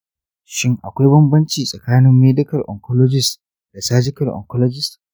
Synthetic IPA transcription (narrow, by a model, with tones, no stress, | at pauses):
ʃɪ˦ŋʔa̰˨kʷa˦jbɐ˦mbɐ˦nt͡ʃiː˨sʼɐ˨kaː˦nɪ˦mːeː˦dɪ˦kɐ˨rʔɔ̰˨ŋkɔ˦lɔ˦d͡ʒɪ˨s | d̥a˨saː˦d͡ʒɪ˦kɐ˨rʔɔ̰˨ŋkɔ˦lɔ˦d͡ʒɪ˦st